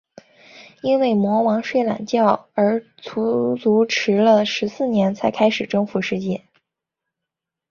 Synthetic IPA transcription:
i˥nwe˥˩ɪmwɔ˧˥wɑ˧˥ŋʂwe˥˩ɪla̰˨˩nt͡ɕjɑ˥˩ʊə˞˧˥ | t͡sʰu˧˥t͡su˧˥ʈ͡ʂʰɻ̩˧˥lə˧ʂɻ̩˧˥sɹ̩˥˩njɛ˧˥nt͡sʰa˧˥ɪkʰa˥ɪʂɻ̩˨˩ʈ͡ʂɤ˥ŋfu˧˥ʂɻ̩˥˧t͡ɕjɛ˥˩

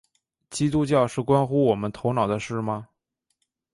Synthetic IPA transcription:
t͡ɕi˥t̪u˥t͡ɕjɑ˥˧ʊʂɻ̩˥˩kwa˥nxu˥wɔ˨˩mə˦nt̪ʰo˧˥ʊnɑ˨˩ʊd̪ə˦ʂɻ̩˥˩mɐ˩

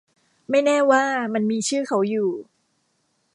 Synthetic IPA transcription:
ma˥˩jnɛː˥˩waː˥˩ma˧nmiː˧t͡ɕʰɯː˥˩kʰa˦˥wjuː˨˩

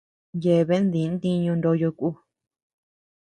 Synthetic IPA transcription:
je˨βe˦nd̪i˨˦n˦t̪ĩ˧ɲũ˧nd̪o˧jo˧ku˦

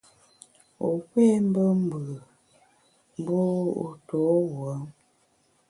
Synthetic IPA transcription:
o˨kwɛ˦m̩˦bə˦m̩˦bə˨ | m˦bo˦o̰˨to˨˦wə˨˦ŋ

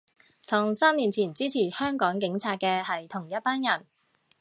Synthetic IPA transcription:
t̪ʰʊ˨˩ŋsaː˥mniː˨˩nt͡sʰiː˨˩nt͡siː˥t͡sʰiː˨˩hœː˥ŋkɔː˨˥ŋkɪ˨˥ŋt͡sʰaː˧t̚kɛː˧hɐ˨jt̪ʰʊ˨˩ŋjɐ˥t̚paː˥njɐ˨˩n

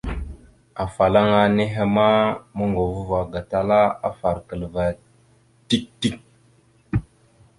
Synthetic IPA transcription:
a˨fa˨la˦ŋa˨ne˦ɦe˦ma˦mə˦ŋɡo˨vu˦va˨ɡa˨ta˦la˦a̰˦fa˨ɾkə˨lva˨ | ti˦k̚ti˦k̚

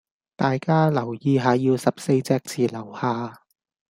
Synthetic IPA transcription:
t̪aː˨jkaː˥lɐ˨˩wjiː˨˧ɦaː˨˧jiː˧wsɐ˨p̚se˧jt͡sɛː˧k̚t͡sʰiː˨lɐ˨˩whaː˨˧

